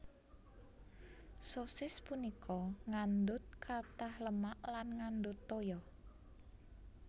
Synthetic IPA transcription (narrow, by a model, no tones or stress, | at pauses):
sosɪspunikʰɔŋandʊt̪̚kʰat̪ahləmaʔlanŋand̪ʊt̪ːojɔ